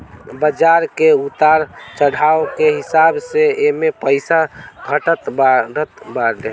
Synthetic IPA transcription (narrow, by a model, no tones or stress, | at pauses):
bəd͡ʒaɾkeut̪aɾt͡ʃəɽ̤ʱaokeɦisabseemepəɪsabʱəʈət̪baɾət̪baɾe